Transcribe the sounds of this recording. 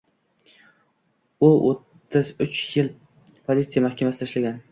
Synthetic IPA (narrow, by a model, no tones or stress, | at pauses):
ʊʔot̪ʰːɪzʊt͡ʃjɪl | pʰolʲit̪sijamahkʲʰamasɪt̪ʰaʃlaɡʲan